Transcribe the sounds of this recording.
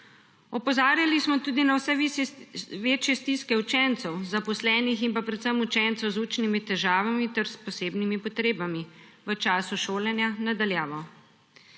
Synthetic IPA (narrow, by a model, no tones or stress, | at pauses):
ɔpɔzaːɾjalismɔt̪uːd̪inawsɛ | ʋeːt͡ʃjɛst̪iskɛut͡ʃɛnt̪sɛwzapɔslɛːniximpapɾɛt̪səmut͡ʃɛnt̪sɛwzuːt͡ʃnimit̪ɛʒaːʋamit̪ɛɾspɔseːbnimipɔt̪ɾeːbamiʋət͡ʃaːsuʃoːlɛnjanad̪aljaːʋɔ